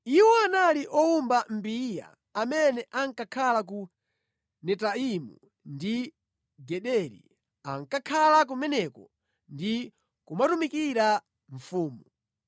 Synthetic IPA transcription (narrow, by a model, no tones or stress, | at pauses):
iwɔanaliʔɔumbam̩bija̰ː | mɛnɛʔaŋkakʰalak̬u | nɛtaimṵ | ndi | ɡɛɗɛɾḭ | aŋkakʰalak̬umɛnɛkɔ | ndi | kumatumikiɾa | ɱfuːmu